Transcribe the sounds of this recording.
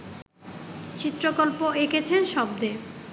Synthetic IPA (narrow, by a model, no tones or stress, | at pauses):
t͡ɕit̪ːɾokolpoeket͡ɕʰenʃɔb̚d̪e